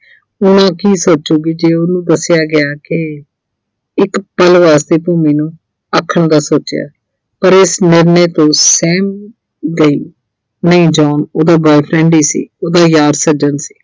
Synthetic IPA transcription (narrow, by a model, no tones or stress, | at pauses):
ʊnãːkiːsoːtːt͡ʃoːɡid͡ʒeːʊnũːd̪əsɪjaːɡɪaːkɪ | ɪkpəlʋaːst̪eːpoːmiːnũː | əkʰːəɳd̪aːsoːt͡ʃja̰ː | pəɾɪsnɪɾneːt̪õːsɛːm | d̪eiː | nəĩːd͡ʒɔːnoːd̪aːboːipʰɾɛ̃ːɳɖiːsḭːoːd̪aːjaːɾsəd͡ʒənsi̥ː